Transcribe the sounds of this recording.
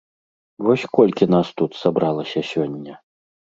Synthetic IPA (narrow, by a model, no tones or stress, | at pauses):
vɔsʲkɔlʲkʲin̪ast̪ut̪sabɾalˠɐsʲɐsʲɔnʲːɛ